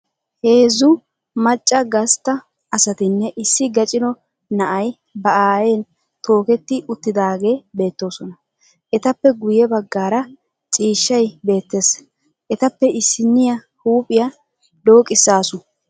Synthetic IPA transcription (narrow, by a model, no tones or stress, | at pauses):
he̞ːzːʊ | mɐt͡ʃʼːɐɡɐst̪ːɐ | ɐsɐt̪ɪnːɛʔɪsːɪɡɐt͡ʃʼɪnɔ | nɐʔɐj | bɐʔaːjeːn | t̪o̞ːkɛt̪ːɪʔʊt̪ːɪd̪aːɡe̞ːbe̞ːt̪ːo̞ːsɔnɐ | ʔɛt̪ɐpːɛɡʊjɛbɐɡːaːɾɐ | t͡sʼiːʃːɐjbe̞ːt̪ːe̞s | ʔɛt̪ɐpːɛɪsːɪnːɪjɐ | huːpʼɪjɐ | d̪o̞ːkʼɪsːaːsʊ